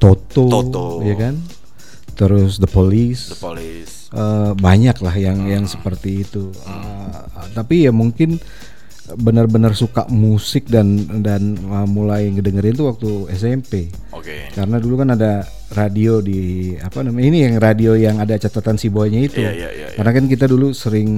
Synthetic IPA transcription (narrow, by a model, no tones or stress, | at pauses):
t̪ot̪ojakan | t̪əɾʊsd̪əpolis | ʔəbaɲaklahjaŋjaŋsə̥pərt̪iːt̪u | ə | t̪apijamuŋkɪn | bənərbənərsuka̰ʔmusɪk̚dandanəmulajŋədəŋəɾɪnt̪uwak̚t̪uɛs̬ɛmpe | kaɾənadulukanada | radiodiapanamaainijaŋradiojaŋadat͡ʃat̪at̪ansiboɲait̪u | karənakankit̪̬adulusəɾɪŋ